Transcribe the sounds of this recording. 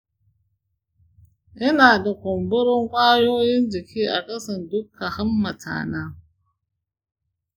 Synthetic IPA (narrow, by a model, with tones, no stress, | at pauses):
ʔɪ˦naː˨da˨kʷɔ˨mbʊ˦ɾo˦ŋkʷaː˦jo˦jɪ˦nd͡ʒi˨kʰi˦ʔa˨kɐ˦sɐ˨ndʊ˦kʰːa˨hɐ˦mːa˨tʰa̰ː˨na˦